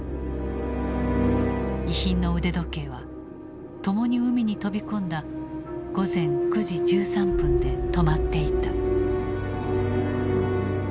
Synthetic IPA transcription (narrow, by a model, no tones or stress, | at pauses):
içĩnːo̞ɯ̟d̪e̞d̪o̞ke̞ːβ̞a | t̪o̞mo̞ɲ̟iɯ̟mʲiɲ̟it̪o̞bʲikõ̞nd̪aɡ̥o̞zẽ̞ŋkɯ̟ʑid͡ʑɨːsãmpɯ̟̃nd̪e̞t̪o̞mat̪ːe̞it̪a